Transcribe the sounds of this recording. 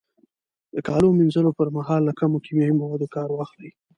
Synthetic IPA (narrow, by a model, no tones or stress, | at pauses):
d̪əkɑlominzəlopəɾmaɦɑlːakamokimjɑwimawɑd̪okɑɾwaxlai